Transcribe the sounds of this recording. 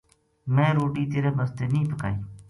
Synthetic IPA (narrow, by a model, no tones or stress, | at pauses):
mẽːɾoːʈiːt̪eːɾeːməst̪eːnĩːpəka̰ːiː